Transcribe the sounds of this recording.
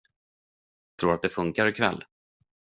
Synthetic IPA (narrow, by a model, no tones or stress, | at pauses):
t̪ʰɾuːɾat̪̚d̪ɛfɵŋkaɾɪkʰvɛ̰lː